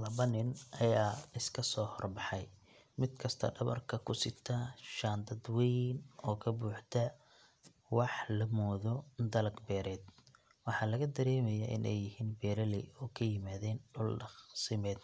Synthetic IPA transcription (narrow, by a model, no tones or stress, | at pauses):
lɐβɐnɪnʔɐjaːɪskʰɐsɔːhɔrbɑħɑj | mɪd̪kʰɐst̪ʰɐ̰ɖɐβɐ̰rkʰɐkʰʊsɪt̪ʰɐʃaːnd̪ɐd̪wɛjnɔːkʰɐbuːħt̪ʰɐ | wɑħlɐmɔːðɔd̪ɐlɐɡbɛːɾɛːd̪ | wɑħɑːlɐɣɐd̪ɐɾɛːmɛjaʔɪ̰nʔɛ̰jːɪhiːnbɛːɾɐlɛɔːkʰɐjɪmaːðɛːnɖʊlɖɑχsɪmɛːd̪